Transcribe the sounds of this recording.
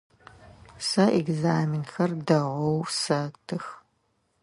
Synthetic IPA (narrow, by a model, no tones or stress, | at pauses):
sɐʔeɡzaːmɪnxɐrdɐʁʷɔwsɐtʰɨx